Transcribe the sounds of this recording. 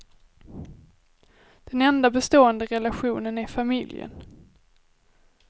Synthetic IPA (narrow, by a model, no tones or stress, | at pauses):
d̪̥ɛnɛnd̪abɛst̪oːənd̪əɾɛlaɧuːnənæɾfamɪljə̰n